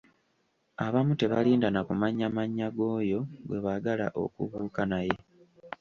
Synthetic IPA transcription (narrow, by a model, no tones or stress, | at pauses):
aβamute̞βa̰liːndanakumaɲːamaɲːaɡo̞ːjo̞ɡwe̞βaɡalaʔo̞̰kṵβuːkanaje̞